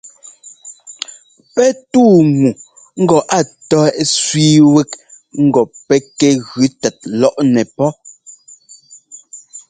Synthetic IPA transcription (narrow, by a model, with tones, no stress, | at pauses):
pɛ˦tuː˦˨ŋu˨ | ŋ̩˦ɡɔ˨ʔa˦˨tɔ˦ɛ˦ʔsɥiː˦wɛ˦k | ŋ̩˦ɡɔ˨pɛ˦kɛ˦ɣʉ˨˦tɛ˨t̚lɔ˦ʔnɛ˨pɔ˦